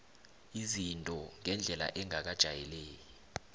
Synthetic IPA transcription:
izintʼɔŋʱɛnd͡ɮʱɛla̰ʔɛŋʱak̬ad̥ʒ̥ʱajɛleːjɔ

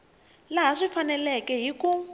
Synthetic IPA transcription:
laɦaʂifanɛlɛkɛɦiku

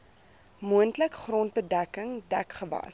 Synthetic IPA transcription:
muəntləkχrɔnt̚bədækəŋdæ̰kχəvɐ̰s

